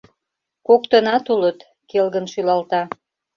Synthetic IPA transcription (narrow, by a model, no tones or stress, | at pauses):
kokt̪ənɑt̪ulət̪ | kelɣənʃylɑlt̪ɑ